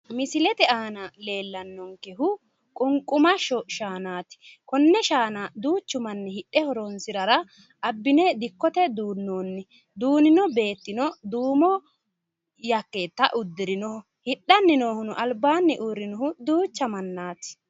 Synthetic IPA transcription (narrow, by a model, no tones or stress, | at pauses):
mɪsɪlɛt̪ɛaːnɐle̞ːlːɐnːɔŋkɛɦʊ | kʼʊŋkʼʊmɐʃɔʃaːnaːt̪ɪ̥kɔnːɛʃaːnɐd̪uːt͡ʃːʊmɐnːɛhɪᶑːɛhɔɾɔnsɪɾɐɾɐ | ɐbːɪnɛd̪ɪkːɔt̪ɛd̪uːnːo̞ːnːɪ | d̪uːnɪnɔbe̞ːt̪ːɪnɔd̪uːmɔ | jɐkːeːt̪ːɐʔʊd̪ːɪɾɪnɔhʊ | hɪɗːɐnːɪnoːhʊnʊʔɐlbaːnːɪʔʊɾɪnɔɦʊd̪uːt͡ʃːɐmɐnːaːt̪ɪ̥